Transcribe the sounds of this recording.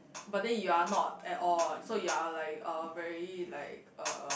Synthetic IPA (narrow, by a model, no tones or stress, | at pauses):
bat̚dɛ̃njuanɔt̚ɛtɔlsojualaɪkʌvɛɹila̰ɪk̚ʔʌ̰